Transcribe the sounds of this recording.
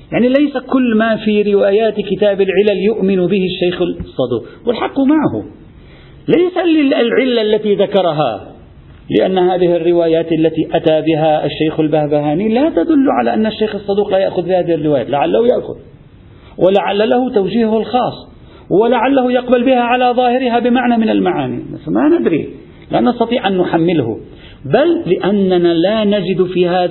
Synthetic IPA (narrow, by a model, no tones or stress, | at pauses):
jaʕnilajsakʊlːmafiɾɪwaːjaːt̪kɪt̪aːbɪlʕɪlaljʊʔmɪnbɪhɪʃːajxɪsˤːɑd̪ṵːqwɪlħɑqːʊmaʕahʊ̰ | lajsalɪlʕɪlːaʔlːat̪iðakɑɾˤɑɦa̰ | lɪ̰ʔa̰nːhaːðɪhɪrːɪwaːjaːt̪ʔalːat̪iʔat̪abɪɦaʔaʃːajxalbahbahaːniːlat̪ad̪ʊlːʕa̰laʔanːaʃːajxɑsˤːɑd̪uːqlajaʔxʊðbɪhaːðɪhɪrːɪwaːjaːt̪laʕalːahʊjaʔxʊ̰l | wʔɪlaʕalːalahʊt̪awd͡ʒiːhʊhalxɑːsˤː | hwalaʕalːahʊjɑqbalbɪhaʕalaðˤɑːhɪɾɪɦabɪmaʕnamɪnalmaʕaːnḭna̰smanɪd̪ɾḭ | lanɑst̪ɑt̪ˤiːʕʔanːʊħamːɪlhʊ̰ | balːɪʔanːanalaːnad͡ʒɪd̪fiːhaːð